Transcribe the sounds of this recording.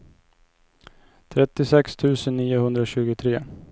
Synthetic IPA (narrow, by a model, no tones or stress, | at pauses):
t̪ʰɾɛt̪ːɪsɛkst̪ʰʉ̟ːsənːiːʊhɵnd̪ɾaɕʉ̟ːɡʊt̪ʰɾeː